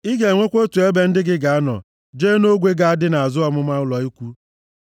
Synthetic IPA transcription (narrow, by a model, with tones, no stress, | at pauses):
i˦ɡe˨ŋʷe˦kʷo˦tu˨e˦be˦n̩˦dɪ˦ɡɪ˦ɡa˨a˦nɔ̰˨ | d͡ʒeː˦no˦ɡʷe˦ɡa˨a˦dɪ˦na˨a˨zʊ˦ɔ˦mʊ˦ma˦ʊ˦lɔ˨i˦kʷu˦